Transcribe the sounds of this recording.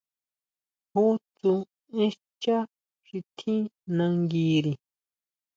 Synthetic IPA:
hu˦t͡su˧ | ĩ˦ | t͡ʃa˦ | ʃi˧t̪ʰĩ˦nã˧ŋɡi˧ɾi˨

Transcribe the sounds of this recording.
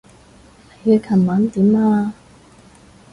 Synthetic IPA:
he˨˧jɛː˧kʰɐ˨˩maː˨˥nt̪iː˨˥maː˧

